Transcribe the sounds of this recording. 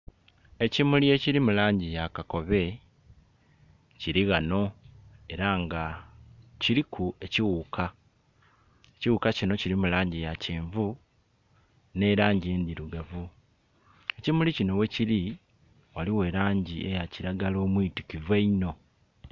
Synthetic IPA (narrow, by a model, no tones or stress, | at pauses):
e̞cimulie̞ciɾimulaːɲɟijakako̞βe̞ | ciɾiɣano̞e̞ɾaŋɡa | ciɾikʰue̞ciwuːkʰa | eciwukacino̞ciɾimulaːɲɟijaciːɱvu | ne̞ɾaːɲɟie̞ːnd̪iɾuɡavu | e̞cimulicino̞we̞ciɾi | waliwe̞ːɾaːɲɟie̞̰jaciɾaɡalo̞ːmwiitikiveino̞